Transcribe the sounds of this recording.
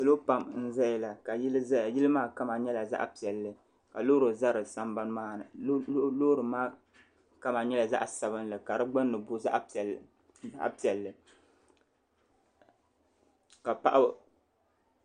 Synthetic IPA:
sɨ˦lo˦pa˨mn̩˦zɛ˦jla˨ka˨ji˦ljɪ˦lɨ˦maː˦ka˦ma˨ɲɛ˦la˨za̰˦ʔpi˨ɛ˨lːɨ˨ | ka˨loː˦ɾo˨za˦ɾɨ˨sa˦mba˦n˦maː˦˨˦lo˦ɾɨ˨maː˦ | ka˦ma˨ɲɛ˦la˨za̰˦ʔa˨sa˨βɨ˦n˦lɨ˨ka˨ɾɨ˦ɡ͡bɨ˦nːɨ˨bʊ˦za̰˦ʔ | a̰˦ʔpi˨ɛ˨lːɨ˨ | ka˨pa̰˦ʔa˦

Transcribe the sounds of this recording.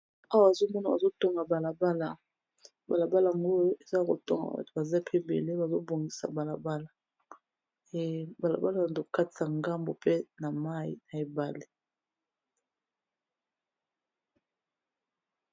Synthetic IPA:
a˦wa˨a˨zo˦mɔ˦na˨ba̰˨zo˦to˦ŋɡa˨ba˨la˨ba˦la˨ | ba˨la˨ba˦la˨a˨ŋɡo˦e˨za˦˨ko̰˨to˦ŋɡa̰˨˦˨ba˨za˦pʰe˦bḛ˨le˦ba˨zo˦bo˨ŋɡi˨sa̰˨ba˨la˨ba˦la˨ | e˨ba˨la̰˨ba˦la˨˦zo˦˨ka˦ta˨ŋɡa˦mbo˨pe˦na˨ma˦ji˨na˨e˨ba˨le˨

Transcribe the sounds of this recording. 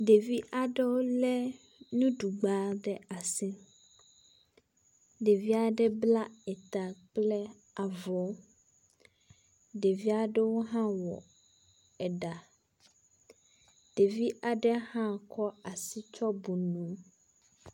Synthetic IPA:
ɖe˨vi˦ʔa˨ɖɛ˦wo˦lɛ˦ | nũ˦ɖu˨ɡ͡ba˦ɖɛ˦a˨sɛ̃˦ | ɖe˨vi˦a˨ɖɛ˦bla˦ɛ˨t̪a˨k͡plɛ˦ | a˨vɔ˨˦ | ɖe˨vi˦a˨ɖɛ˦wo˦ɦã˦wɔ̰˨ | ɛ˨ɖa˨ | ɖ̥e˨vi˦ʔa˨ɖɛ˦hã˦kʰɔ˦a˨si˦t͡ʃɔ˦bu˨nũ˨˦

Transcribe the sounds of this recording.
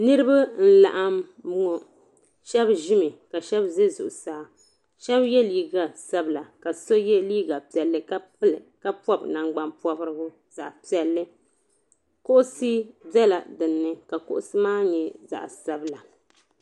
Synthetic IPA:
nɨ˦ɾɨ˦ba˦n̩˦la̰˨ʔa˦mbʊ˦ŋɔ˨ | ʃɛ˦bʒi˦mɨ˨ka˨ʃɛ˦bze˦zʊ˨ʔʊ˨saː˨ | ʃɛ˦bjɛ˦liː˦ɡa˨sa˦bɨ˨la˨ka˨so˦jɛ˦liː˦ɡa˨pi˨ɛ˨lːɨ˦˨ka˦pɔ˦bna˨ŋɡ͡ba˦npɔ˦bɾɨ˦ɡʊ˦ | za̰˨ʔpi˨ɛ˨lːɨ˦ | ko˦ʔʊ˦si˦bɛ˦la˨dɨ˨nːɨ˦ka˨ko̰˦ʔʊ˦sɨ˦maː˦ɲɛ˨za̰˨ʔsa˦bla˨

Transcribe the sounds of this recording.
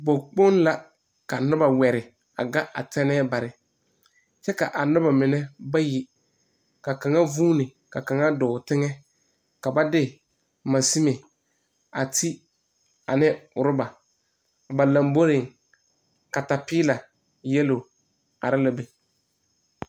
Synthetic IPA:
bo˨k͡po˦n˦la˦ | ka˨nʊ˦ba˨wɛ˨ɾɪ˨ | a̰˨ɡa˦ʔa̰˨tɛ˦nɛː˦ba˨ɾɪ˨ | t͡ʃɛ˦ka˨ʔa˨nʊ˦ba˨mɪ˨nɛ˦ba˦ji˨ | ka˨ka˨ŋa˦vuː˦nɪ˨ | ka˨ka˨ŋa˦dʊː˨tɪ˦ŋɛ˦ | ka˨ba˦dɪ˦ | ma˨si˦me˨ | a˨tʰi˦ | a˨nɪ˦ʊ˨ɾɪ˦ba˨ | ba˨la˨mbo˦ɾɪ˨ŋ | ka˨ta˨pɪː˦la˨ | jɛ˦lo˨ | a˨ɾɪ˦la˦be˨

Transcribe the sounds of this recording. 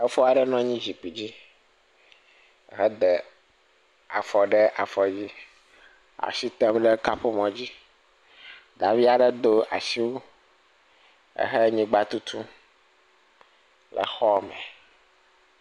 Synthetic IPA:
ɛ˦fɔ˦a˨ɖɛ˦nɔ̃˦ɲĩ˦d͡ʑi˨k͡pi˨d͡ʑi˦ | ɛ˦ɦɛ˦d̪ɛ˨ | a̰˨fɔ˨ɖɛ˦ʔa̰˨fɔ˨d͡ʑi˦ | a̰˨si˦t̪ɛ˦mɖe˦ka˦ɸo˦mɔ̃˨d͡ʑi˦ | d̪a˨vi˦a˨ɖe˦d̪o˦ʔa̰˨si˦wo˦ | ḛ˦ɦɛ˦ɲĩ˦ɡ͡ba˦t̪u˦t̪ʰu˦ | lʔɛ̰˨xɔ˦mɛ̰̃˨

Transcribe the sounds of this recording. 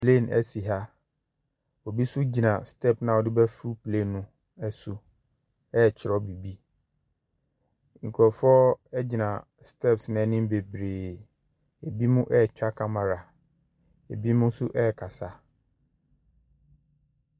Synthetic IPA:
pʰle˦˨nɛ̰˨si˨ɦa˦ | ɔ˨bi˦sʊ˦d͡ʑi˨nã˨stʰɛ˦˨pnã˨ɔ˨dɪ˦bɛ˦fu˦pʰlẽ˦˨nːʊ̃˦ | ɛ˦su˨ | ɛ˦˨t͡ɕʰɪ˨ɾɔ˨˦bi˨bi˦ | ŋ̩˨kʰɔ˨fɔ˦ɛ˦d͡ʑɪ˨nã˨ | stʰɛ˦˨psnɛ̃˨˦nĩ˦be˨bɾeː˨ | e˨bi˦mʊ̃˦ʔɛ˦˨t͡ɕᶣa˦kʰa˦mã˨ɾa˨ | e˨bi˦mʊ̃˦n˦sʊ˦ʔɛ˦˨kʰa˨sa˦

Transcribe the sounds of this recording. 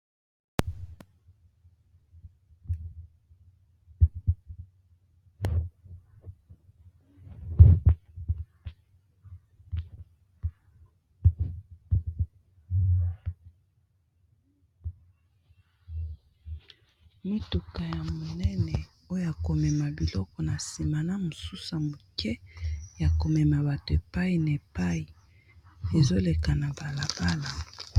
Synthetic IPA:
mi˦tu˨ka˨ja˨mo˨nɛ˦nɛ˨ | o˦jo˦a˨ko˨mɛ˨ma˨bi˨lɔ˦kɔ˨na˨si˨ma˨na˦mo˨su˦sa˨mo˨kɛ˦ja˨ko˨mɛ˨ma˨ba˨to˨e˨pa˦i˨na˨e˨pa˦i˨ | e˨zo˦le˨ka˨na˨ba˨la˨ba˦la˨

